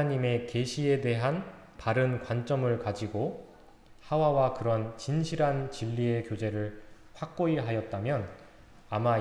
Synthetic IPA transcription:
ɲime̞ke̞ɕʰie̞de̞ɦan | paɾɯnkwant͡ɕ͈ʌmɯɭkad͡ʑiɡo | hawawakɯɾʌnt͡ɕinɕʰiɾɦant͡ɕiʎːie̞kjod͡ʑe̞ɾɯɭ | ɸwak̚k͈oiɾɦajʌt̚t͈amjʌn | ama

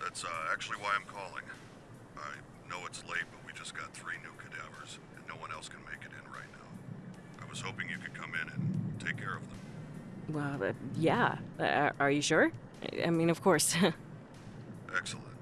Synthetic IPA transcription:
ðætsʌæk̚t͡ʃʉl̩ˠiwaɪãɪ̃mkʰɔlˠɪ̰̃ŋ | ʔaɪ | noʊɨtsleɪt̚b̥ʌt̚wid͡ʒʌsɡ̥ɑt̪̚θɹinʉkʰɨdɛvə˞z̥ | ɨ̰̃nːoʊwʌ̃nɛlˠskʰɨ̃n̩meɪkɨɾɨ̃nɹa̰ɪtⁿna̰ʊ | ʔaɪwʌz̥hoʊpɪ̃ŋjɨkʰɨd̚kʰʌ̃mɪ̃nɨ̃ntʰeɪkʰɛɹʌvðə̃mwɛlˠʌ̰jæ̰ | ʔə˞jɨʃʊɹ | ʔa̰ɪmĩnʌv̥kʰɔɹs | ʔɛksl̩ˠə̰̃nt

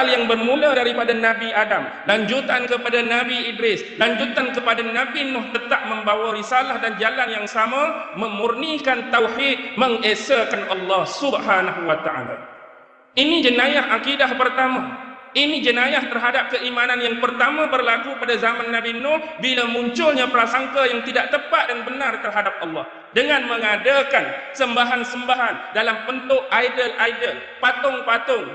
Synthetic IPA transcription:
aljaŋbərmũladaɾipadanãbiadam | laɲd͡ʒut̪ankəpadanãbiidɾɪslaɲd͡ʒut̪ankəpadanãbinʊht̪ət̪aʔ̚məmbawaɾisalahdand͡ʒalanjaŋsamãmə̃murnikant̪awħit̪̚mə̃ŋesakanʔɑlːɑhsubhanaɦuwat̪aʕa̰la̰ | ʔinid͡ʒənãjahʔakidahpərt̪amã | ʔinid͡ʒənãjaht̪ərɦadap̚kəʔimananjaŋpərt̪amãbərlakupadazamanːãbinɔbilamuɲt͡ʃʊlɲãpəɾasaŋkajaŋt̪idaʔt̪əpat̪̚dənbənart̪ərɦadap̚ʔɑlːɑh | dəŋãnmə̃ŋadakan | səmbaɦansəmbaɦandalambənt̪ʊʔajdəlʔajdəl | pat̪ʊŋpat̪ʊŋ

